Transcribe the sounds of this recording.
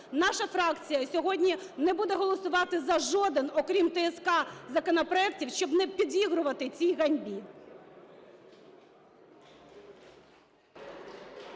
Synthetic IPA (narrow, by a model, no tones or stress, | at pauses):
nɑʃɐfɾɑkt͡sʲijɐsʲɔɦɔdʲnʲinɛbud̪ɛɦɔlˠɔsʊʋɑt̪ɪzɐʒɔd̪ɪnɔkɾʲimt̪ɛɛskɑzɐkɔnɔpɾɔɛktʲiwʃt͡ʃɔbnɛpʲid̪ʲʋʲiɦɾʊʋɐt̪ɪt͡sʲijɣɐnʲbʲi